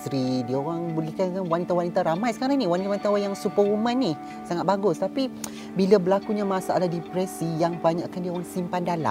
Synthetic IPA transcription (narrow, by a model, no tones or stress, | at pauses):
t̪ɾidioɾaŋbəlɛhkanawanit̪awanit̪aɾamajsə̥kaɾaŋnĩwanit̪awanit̪aajaŋsupəumãnːi | saŋat̪̚baɡʊst̪api | bilabəlakuɲamasaʔaladipɾɛsijaŋpəbaɲaʔkandiəoɾaŋsimpandala̰